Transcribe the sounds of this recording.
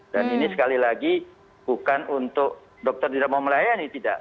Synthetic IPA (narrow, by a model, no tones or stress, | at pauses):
daninisə̥kalilaɡi | bukanunt̪ʊk̚ | dɔk̚t̪ɔrt̪idaʔ̚mauməlajanit̪ida̰ʔ